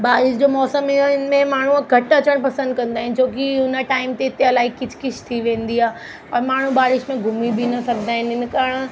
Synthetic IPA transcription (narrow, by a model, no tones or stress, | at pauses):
baːɾɪʃd͡ʑoːmɔːsəmɛɪnmẽmaːɳ̤ũɡʱɐʈɐt͡ɕəɽ̃pɐsə̃nd̪̚kɐ̃nd̪aːɦɪ̃n̆d͡ʑoːkiʊnəʈaːɪmt̪eɪt̪eɐlaːikɪd͡ʑ̥ʰʱkɪʃʰt̪ʰiʋẽːnd̪iaː | ɔːɾmaːɳ̤ũbaːɾɪʃmẽɡʱʊmibʱinɐsɐɡʱd̪aːɦɪnɪnkaɾɽ̃